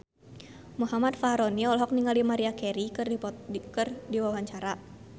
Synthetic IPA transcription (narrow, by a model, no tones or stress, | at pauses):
muɦamat̪faɾɔniɔlɦɔk̚niŋalimaɾiakɛɾik | kɨrdiwawaɲt͡ʃaɾa